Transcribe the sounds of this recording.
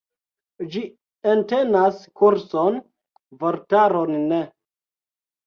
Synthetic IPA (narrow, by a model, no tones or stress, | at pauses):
d͡ʒi | ente̞naskuɾson | voɾtaɾonːe